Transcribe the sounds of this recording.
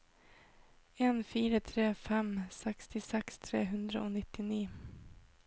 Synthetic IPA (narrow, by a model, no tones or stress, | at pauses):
ɛnfiːɾat̪ʰɾeːfɛmːsɛkst̪ʰɪsɛkst̪ʰɾḛːɦɵnd̪ɾa̰ɔnɪt̪ːɪniː